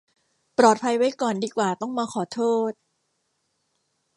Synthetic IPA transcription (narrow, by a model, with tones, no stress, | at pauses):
pɾɔː˨˩t̪̚pʰa˧jwa˦˥jkɔː˨˩ndiː˧kwaː˨˩t̪ɔ˥˩ŋmaː˧kʰɔː˨˩˦t̪ʰoː˥˩t̪̚